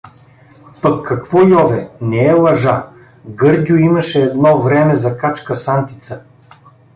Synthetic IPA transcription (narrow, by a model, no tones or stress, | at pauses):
pɐkʰːɐkvɔjɔvɛnɛɛlˠɐʒa | ɡɤɾd̪ʲʊimɐʃɛːd̪nɔvɾɛmɛzɐkat͡ʃkəsant̪i̥t̪sə